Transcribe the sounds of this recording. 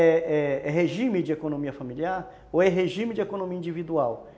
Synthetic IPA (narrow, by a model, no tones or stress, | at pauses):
ɛɛɛɦeʒĩmɪd͡ʒɪekonõmiɐfamiliaɾ | oɛɦeʒĩmɪd͡ʒɪekonõmiɐĩnd͡ʒivid̪uaw